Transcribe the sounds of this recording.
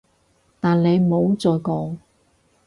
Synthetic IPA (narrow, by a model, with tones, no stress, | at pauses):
t̪aː˨nle˨˧jmo˨˧wt͡sɔː˨˧jkɔː˨˧ŋ